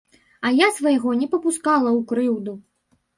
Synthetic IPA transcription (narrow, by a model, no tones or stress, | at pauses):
ɐjasvɐjɣɔnʲɛpɐpuskalˠɐwkɾɨwd̪u